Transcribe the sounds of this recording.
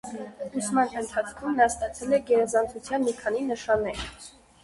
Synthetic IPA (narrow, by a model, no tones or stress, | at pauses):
usmɑnənt̪ʰɑt͡sʰkʰumnɑst̪ɑt͡sʰɛlɛɡɛɾɑzɑnt͡sʰut͡sʰjɑnmikʰɑninəʃɑnːɛɾ